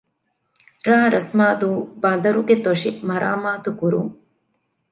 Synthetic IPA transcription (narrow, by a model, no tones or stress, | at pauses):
ɾaːɦɐɾɐsmaːd̪ubaːnd̪ɐɾuket̪oʂimɐɾʔa̰ːmaːd̪ukuɾu